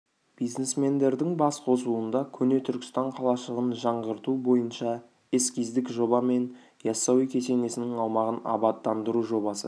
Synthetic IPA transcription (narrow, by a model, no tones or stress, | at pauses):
b̥ijzne̞sme̞nd̪e̞ɾd̪ɪŋbɑsqʰo̞suənd̪ɑkʲʰɵne̞t̪ʰʏɾkʲɪ̥st̪ɑɴqʰɑlˠɑʃˠəʁənʒɑɴʁəɾt̪ubo̞jənʃɑ | eskʲijzd̪ɪkʒo̞bɑme̞n | jɑsːɑwijkʲʰe̞se̞ne̞sɪnɪŋɑwmɑʁənɑ̰bɑt̪ːɑnd̪əɾuʒo̞bɑsə̰